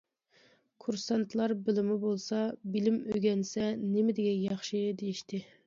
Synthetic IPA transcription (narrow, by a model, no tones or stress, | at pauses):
kʰuɾsɑnt̪ʰlˠɑɾbɪlɪmɪbolˠsɑbɪlɪmøɡʲɛnsɛnɪmɪd̪ɪɡʲɛjɑχʃid̪ejiʃt̪ʰɪ